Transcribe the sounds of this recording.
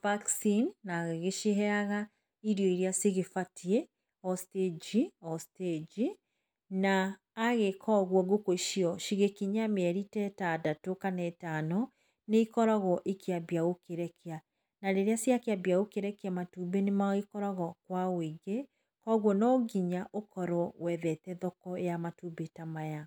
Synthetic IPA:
vaksinːaɣeɣeʃiɦɛaɣa | iɾjɔiɾiasiɣefatʰie | ɔsted͡ʒiɔsted͡ʒi | naː | ɣekʰɔɣwɔɡokoiʃiɔʃiɣekiɲameɛɾitɛtadatokanɛtanɔ | neikɔɾɔɣɔʔekʰeabjaɣokeɾɛkea | naɾeɾeasiakeabjaɣokeɾɛkeamatuːbenemaikɔɾɔɣɔkwaweɡe | kɔɣwɔnɔɡiɲaʔokɔɾɔwɛðɛtɛðɔkɔejamatubetamaja

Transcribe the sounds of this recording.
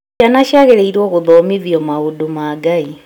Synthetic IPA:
anaʃjaɣeɾeiɾwɔɣuðɔmiðjɔmaɣudumaɡai

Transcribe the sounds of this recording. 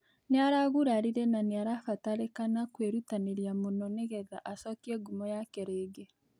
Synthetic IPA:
neaɾaɣuɾaɾiɾɛnaneaɾafataɾekanakweɾutaneɾiamonɔneɣɛðaʔasɔkiɛɡumɔjakeɾeɡɛ

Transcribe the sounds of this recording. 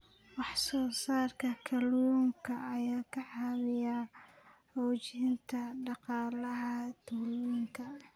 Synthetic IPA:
wɑħsɔːsaːrkʰɐkʰɐlwuːŋkʰɐːjaːkʰɐħɑːmɪja | ħɔːt͡ʃɪɪnt̪ʰɐɖɑqɑːlɐɦɐt̪ʰʊluŋkʰɐ

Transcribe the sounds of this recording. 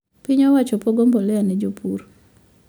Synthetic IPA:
piɲɔwat͡ʃɔpoɡombɔlɛanɛd͡ʒopʰuɾ

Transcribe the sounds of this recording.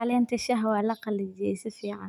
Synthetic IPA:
lɛːnt̪ʰɐʃɐɦwaːlɐqɑlɪd͡ʒɪɛ̰sɪfiːʕa̰

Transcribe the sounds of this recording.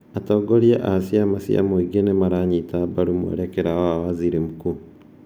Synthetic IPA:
atɔːɡoɾieʔasiamasḭa̰moiɡenemaɾaɲitabaɾumwḛɾekeɾaawaziɾimuku

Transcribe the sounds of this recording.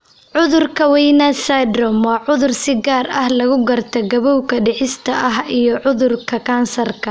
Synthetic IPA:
ʕʊðʊrkʰɐwɛjnɐsad̪rɔmwɑːʕʊðʊrsɪɡaːrɐhlɐɣʊɡɐrt̪ʰɐɡɐβɔwkʰɐɖɛħɪst̪ʰɐʔɐɦijɔʕʊðʊrkʰɐkʰaːnsɐrkʰɐ

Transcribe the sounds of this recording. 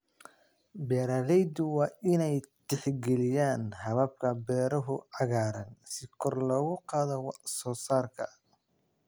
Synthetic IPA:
bɛːɾalɛjd̪ʊwɑːʔɪnɛjt̪ʰɛħɡɛlɪjaːnhɐβɐb̚kʰɐbɛːɾɐɦʊʕɑɣaːɾɐnsɪkʰɔrlɐɣʊqɑːðɔwɑsɔːsaːrkʰɐ

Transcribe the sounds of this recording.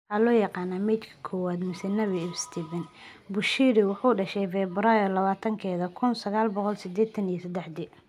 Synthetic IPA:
halɔːjɑqɑːnːaːmɛːt̪kʰɐ̥kʰɔːwaːd̪mɪsɛnɐβibst̪ʰiːvɛnbʊʃiːɾɪwɑħuːɖɐʃɛjfɛbɾaːjɪrlɐβaːt̪ʰɐŋkʰɛːðɐkʰʊnsɐɣaːlbɔqɔlsɪd̪ɛːt̪ʰɐnijɐsɐd̪ɛħd̪i

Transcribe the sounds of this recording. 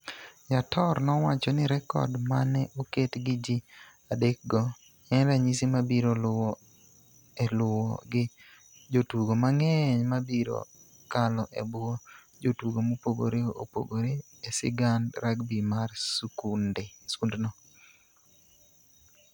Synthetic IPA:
jatɔrnɔwat͡ʃɔnɪɾɛkɔ̰dmanɛʔoketɡɪd͡ʒi | adek̚ɡɔ | ɛnɾaɲisimabiɾol | ɛlʊwɔɡɪ | d͡ʒotuɡomaŋɛɲmabiɾo̰ | kalɔʔebʊo | d͡ʒotuɡomopoɡo̰ɾeo̰po̰ɡoɾe | esɪ̰ɡandɾakbimarsukundesundnɔ

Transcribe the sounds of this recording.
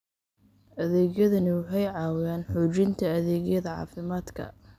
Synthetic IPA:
ɐðɛːɣjɐðɐnɪwɑħɑjʕɑːwɪjaːnħɔːt͡ʃɪnt̪ʰɐːðɛːɡjɐðɐʕɑ̰ːfɪmaːd̪kʰɐ̰

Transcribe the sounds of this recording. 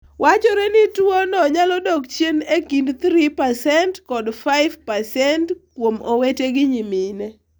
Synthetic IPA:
wʔat͡ʃɔɾɛnɪtwonɔɲalɔdɔɡt͡ʃjenekindt̪ɾipasɛntkɔdfaɪvpasɛntkwomoweteɡɪɲimine

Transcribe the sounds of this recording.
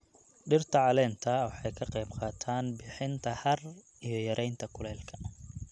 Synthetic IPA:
ɖɪrt̪ʰɐʕɑlɛːnt̪ʰɐwɑħɑjkʰɐqɑjbqɑːt̪ʰaːnbɪħɪnt̪ʰɐhɐr | ijɞjɐɾʔɛjnt̪ʰɐkʰʊlɛːlkʰɐ̥

